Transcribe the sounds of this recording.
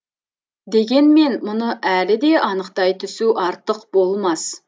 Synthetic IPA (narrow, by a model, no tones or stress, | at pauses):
d̪e̞ɡʲe̞nme̞nmʊnəʔælɪd̪e̞ʔɑnəqt̪ɑjt̪ʰʏsuʔɑɾt̪əqbo̞lˠmɑs